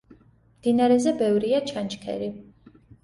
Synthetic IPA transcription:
md̪̥inaɾɛzɛbɛvɾiat͡ʃʰant͡ʃkʰɛ̰ɾi

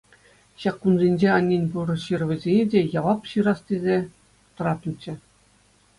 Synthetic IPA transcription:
ɕɑkːunzʲenʲd͡ʑeɑnʲːenʲpuɾɤ̆ɕɯrʋʲɘ̆zʲenʲedʲejɑʋɑpɕɯɾɑstʲezʲe | t̪ɤ̆ɾɑt̪ɤ̆nt͡ɕːɘ̆

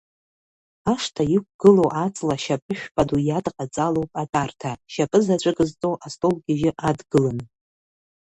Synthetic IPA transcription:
aʂtʰaik̚ʷʰɡ̥ɨlo̞wʔat͡sʼlaʃapʼɨʃᶣpʼadujadqʼat͡sʼalo̞wpʼatʼartʰaʃapʼɨzat͡ɕʷʼɨɡɨzt͡sʼowʔastʼolɡʲɪʒɪʔadɡɨlan

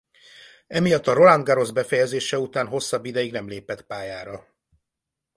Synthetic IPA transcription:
ɛmijɒt̪ːɒɾo̞land̪ɡaɾo̞zbɛfɛjɛzeːʃɛut̪aːnɦo̞sːɒbːid̪ɛjiɡnɛmleːpɛt̪paːjaːɾɒ

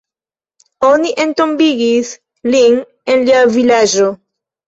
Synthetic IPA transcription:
oniʔent̪ombiɡis | lin | enliavilad͡ʒo

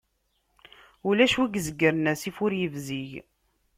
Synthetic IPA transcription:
ulæʃwiɡzəɡːəɾnæsifʊɾjəvziʝ

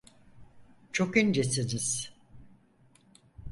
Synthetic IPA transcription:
t͡ʃʰokynd͡ʒesiniz̥

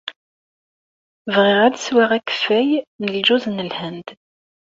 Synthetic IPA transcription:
vʁiʁæd̪swaʁækːə̥fæjnəld͡ʒuznəlhənd̪

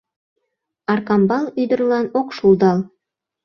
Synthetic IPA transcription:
ɑrkɑmbɑlˠyd̪ə̆rlˠɑnokʃulˠd̪ɑlˠ

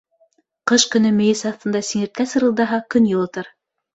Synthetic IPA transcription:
qɤʃkɵ̆nɵmɘ̆jɘsɑθt̪ɤ̆nd̪ɑsiŋɘ̆ɾt̪̚kæsɤ̆ɾɤ̆lˠd̪ɑɦɑkɵnjŭlˠŏt̪ɤɾ

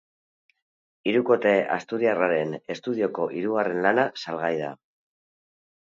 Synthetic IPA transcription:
iɾuko̞t̪e̞ʔa̰st̪uɾiaraɾe̞ne̞st̪uðio̞ko̞ʔiɾuɣare̞nlanasalɣajða̰

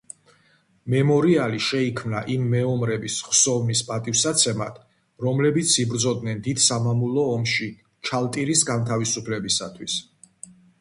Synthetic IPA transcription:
mɛmɔɾialiʃɛikʰmnaʔimːɛɔmɾɛbisχsɔvnispʼat̪ʼifsat̪sʰɛmat̪ʰ | ɾɔmlɛbit̪sʰibɾd̪zɔd̪nɛnd̪id̪̥samamulˠɔːmʃi | t͡ʃʰalˠt̪ʼiɾisɡant̪ʰavisupʰlɛbisa̰t̪ʰwis

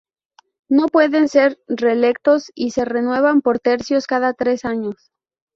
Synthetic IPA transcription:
no̞pwe̞ðe̞nse̞ɾre̞le̞kt̪o̞sise̞re̞nwe̞β̞ampo̞ɾt̪e̞ɾsjo̞skaðat̪ɾe̞saɲo̞s

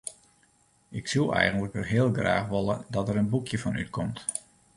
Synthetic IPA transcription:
ɪksulˠɛ̰jɣəntləkʋəɦɪːəlˠɡra̰ːχʋɔlˠədɔtəɾənbukʰjəfɔny̰t̚kʰɔmt

